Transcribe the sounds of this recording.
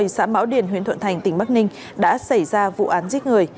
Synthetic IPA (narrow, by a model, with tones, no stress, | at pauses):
jsa̰ː˧˥ma̰ː˧˦wɗi˧˩ənɦwi˧˦ənt̪wə̰˧˨nt̪ʰa˨˩jŋ̟t̪ï˧˩ŋ̟ɓa˦˥k̚nï˧ŋ | ɗa̰ː˧˥sa˧˩jzaː˧vṵ˧˨ʔaː˨˦nzi˦˥t̚ŋɨ˨˩əj